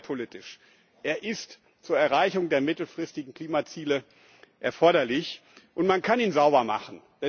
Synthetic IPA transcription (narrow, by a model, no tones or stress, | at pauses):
pʰolitɪʃ | ʔeːɐʔɪst | t͡suːɐɛɐʁaɪçʊŋdeːɐmɪtl̩fʁ̥ɪstɪɡŋ̩kl̥iːmat͡siːlə | ʔɛɐfɔɐɾɐlɪçʔʊntmankʰaniːnzaʊbɐma̰χn̩ | d̥ɛ